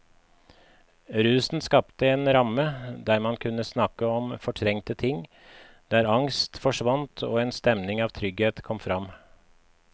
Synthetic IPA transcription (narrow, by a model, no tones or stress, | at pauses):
ɾʉːsn̩skɑpt̪əeːnɾɑməd̪æːɾmɑnkʰʉnːəsnɑkəɔmfɔʈʰɾɛŋt̪ət̪ʰɪŋ | d̪̥æːɾɑŋst̪fɔʂʋɑnt̪ʰo̰ːeːnst̪ɛmnɪŋɑːʋt̪ʰɾʏɡheːt̪kʰɔmfɾɑm